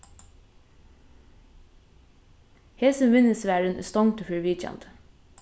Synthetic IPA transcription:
heːsənʋɪnəsʋæːɹənə̰st̪ɔŋt̪ʰəfəɹʋiːc͡çɛ̰nt̪

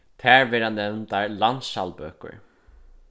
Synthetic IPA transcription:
t̪ʰæːɹʋɛːɾanːɛʋnt̪aɹlant̪sʃa̰lpø̰ːkʊ̰ɹ

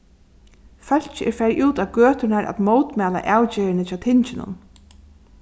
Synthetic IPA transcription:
fœl̥t͡ɕɛ̰ɾfɛɾjʔuːt̪aʋɡøːt̪ʊnaɾʔa̰t̪moːwt̪mɛːla̰ʔaːwt͡ɕeːɾɪnɪt͡ɕʰaːt̪ʰɪɲt͡ɕɪnʊ̰n

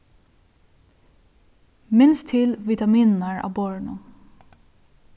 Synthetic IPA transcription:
mɪnst̪ʰɪlʋit̪amiːnnaɹɑ̰bɔɹɳʊ

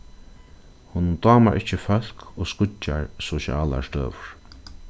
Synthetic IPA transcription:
huːnʊnt̪ɑːma̰ɹʔɪht͡ʃːɪfœl̥koːskʊaɹsɔʃja̰ːla̰st̪ø̰ːʋʊɹ̥

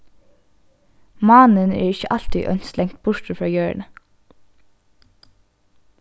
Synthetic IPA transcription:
mɑːnənæ̰ːɹɪçəʔɑlt̪ḭʔœ̰nslɛŋt̪̚bʊɹʈəfɾɑːjøːɹɳə

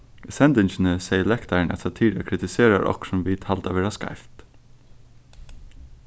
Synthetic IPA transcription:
sɛnd̪ɪnt͡ʃɪnəsɛjəlɛkt̪aɹɳʔæ̰t̪sat̪ʰiːɾa̰kʰɾɪt̪ɪseːɾa̰ʔɔ̰ksʊmʋiːt̪halt̪aʋɛːɹaska̰ɪft̪

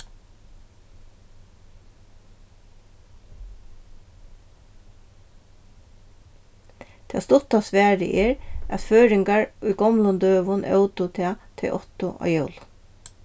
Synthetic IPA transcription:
t̪ʰɛ̰ːst̪ʊt̪asʋæːɹɪ̰ʔɛɹæ̰t̪føːɾɪŋkaɹʊjɡɔmlʊnd̪øːʋʊnœ̰wt̪ʊt̪ʰɛːt̪ʰɪ̰lʔɔ̰t̪ʊʔa̰ːjœwl

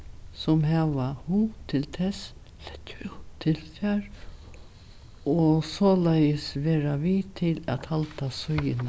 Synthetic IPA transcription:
sɔmɦɛʋahut̪ʰɪlt̪ʰɛs | l̥ɛcːt̪ʰːɪlfaɾ | ɔsɔːlajəsʋeːɾaʋit̪ʰɪlæt̪halt̪asɔjɪn

